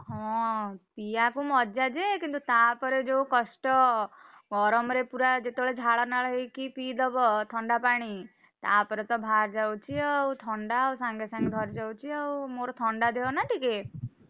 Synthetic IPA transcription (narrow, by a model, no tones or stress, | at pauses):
ɦɔ̃piakumɔd͡ʒad͡ʒekint̪ut̪apɔɾed͡ʒowkɔsʈɔ | ɡʱɔɾɔmɾepuɾad͡ʒet̪ebɭed͡ʒʱaɭɔnaɭɔɦekipid̪ɔbɔt̪ʰɔɳɖapaɽ̃i | t̪apɔɾet̪ɔbʱaɾd͡ʒawt͡ʃʰiawt̪ʰɔɳɖawsãŋɡesãŋɡed̪ʱɔɾd͡ʒawt͡ʃʰiawmoɾɔt̪ʰɔɳɖad̪ʱeɔnaʈʰike